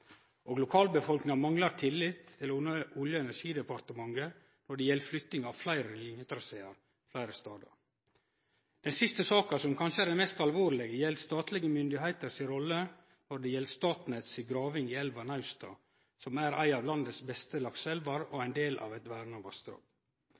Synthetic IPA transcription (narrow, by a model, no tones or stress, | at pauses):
ʔoːɡlʊkʰɑːlbəfɔlknɪŋɑmɑŋlɑɾt̪ʰɪlːɪt̪ʰːɪlʊəʊljəɛnæʂiːd̪ɛpɑɾt̪əmɑŋɡə | nɔɖɛjɛlːflʏt̪nɪŋɑʋflæɪɾəlɪnjət̪ɾɑseːɑɾ | flæɪɾəst̪ɑːd̪ɑ̰ɾ | d̪̥ɛnsɪst̪əsɑːkɑsɔmkʰɑnʃəæɾɖɛnmɛst̪ɑlʋoːɾlɛɡəjɛlst̪ɑːt̪lɪɡəmʏnd̪ɪɦæɪt̪əɾsɪɾɔlːə | nɔɖɛjɛlːəst̪ɑːt̪nɛt̪sɪɡɾɑːʋɪŋɪɛlʋɑnɑʉst̪ɑ̰ː | sɔmæɾʔæ̰ɪɑːʋlɑnd̪əsbɛst̪əlɑksɛlʋɑɾoæɪnd̪eːlʔɑ̰ʋɛt̪ʋæɾnɑʋɑ̰st̪ɾɑ̰ːɡ